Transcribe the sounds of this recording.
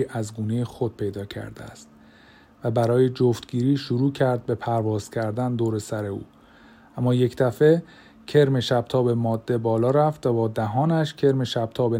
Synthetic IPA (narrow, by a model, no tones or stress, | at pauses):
ʔæzɡuːnejexod̪̥̚pʰe̞jd̪ɒːcʰæ̰ɾd̪eæ̰st̪̚ | væbæɾɒːjed͡ʒoft̪ɡiːɾiːʃuɾuːcʰæɾd̪̚be̞pʰæɾvɒːz̥cʲʰæɾd̪ænd̪oːɾe̞sæɾe̞ṵː | ʔæmːɒːje̞cʰd̪̥æfe̞ | cʰe̞ɾme̞ʃæb̥̚t̪ʰɒːbe̞mɒːd̪ːe̞bɒːlɒːɾæft̪væbɒːd̪æɦɒːnæʃcʰe̞ɾme̞ʃæb̥̚t̪ʰɒːbe